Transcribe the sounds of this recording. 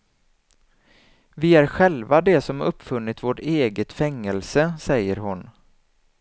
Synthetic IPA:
vɪæɾɧɛlvad̪ɛsɔmɵpːfɵnːɪt̪voːʈeːɡət̪fɛŋːɛlsəsɛjːəɾɦʊn

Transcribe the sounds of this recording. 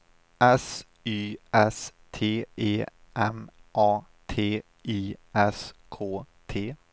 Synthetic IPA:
ɛs | yːɛst̪ʰeːʔeː | ʔɛmʔɑː | t̪ʰeː | ʔiːɛskʰoːt̪ʰeː

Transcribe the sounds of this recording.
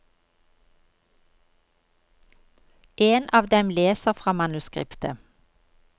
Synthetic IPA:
ʔeːnʔɑːʋd̪ɛmleːsəʁfʁɑːmɑnʉskʁɪ̰pt̪ə

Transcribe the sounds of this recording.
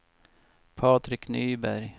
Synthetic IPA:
pʰɑːt̪ɾɪknyːbæɾj

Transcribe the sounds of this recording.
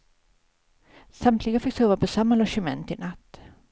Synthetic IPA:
samt̪ʰlɪɡəfɪksoːvapʰɔsamːalɔʂəmɛ̰nt̪ɪnat̪ː

